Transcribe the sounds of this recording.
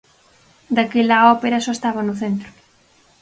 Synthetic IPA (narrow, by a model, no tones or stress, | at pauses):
d̪akelaɔpeɾɐsɔest̪aβɐnʊθent̪ɾʊ